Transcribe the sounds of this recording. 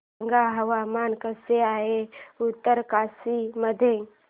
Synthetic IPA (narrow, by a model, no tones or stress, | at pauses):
ŋɡaɦɐwaːmaːnkəseaːeʊt̪ːəɾkaːsiməd̪ʱẽ